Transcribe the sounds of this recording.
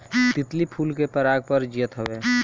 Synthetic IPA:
t̪ɪt̪lipʰuːlkepəɾaːɡ̚pəɾd͡ʒijət̪ɦəbe

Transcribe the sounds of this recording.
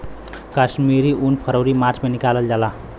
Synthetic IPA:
kasmiɾiʔunpʰəɾowɾimaɾt͡ʃmenikaləld͡ʒala

